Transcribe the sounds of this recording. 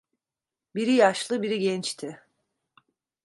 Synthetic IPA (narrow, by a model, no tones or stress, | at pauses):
biɾijaʃlˠɯbiɾiɟɛnt͡ʃt̪ʰɪ